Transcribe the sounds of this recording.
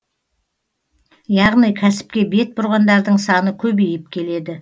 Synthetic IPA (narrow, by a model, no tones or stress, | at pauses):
jɑʁnijkʲʰæsɪ̥p̚kʲe̞be̞t̪̚bʊɾʁɑnd̪ɑɾd̪əɴsɑnəkʲʰɵbejɪp̚kʲʰe̞le̞d̪ɪ